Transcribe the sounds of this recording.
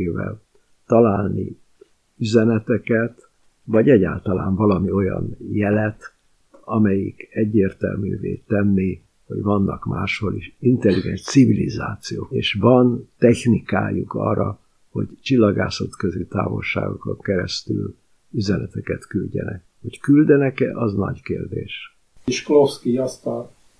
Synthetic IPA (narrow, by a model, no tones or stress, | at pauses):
vɛ̰l | t̪ɒlaːlni | yzɛnɛt̪ɛkɛt̪ | vɒɟɛɟaːlt̪ɒlaːɱvɒlɒmio̞jɒ̰njɛlɛt̪ | ɒmɛjikɛɟːeːrt̪ɛlmyːvḛːt̪ɛnːi | hoɟvɒnːɒkmaːʃho̞liʃint̪ɛlːiɡɛnʃt̪sivilizaːt̪sijoːeːʃvɒnt̪ɛçnikaːjukɒːrːɒ | ho̞ɟt͡ʃilːɒɡaːsot̪køzit̪aːvo̞̰lʃa̰ːɡokoŋkɛɾɛst̪yl | yzɛnɛt̪ɛkɛt̪kylɟɛ̰nɛk | ho̞ckyld̪ɛnɛkɛʔɒznɒ̰ɟkeːrd̪eːʃ | eʃklofskiɒst̪aːn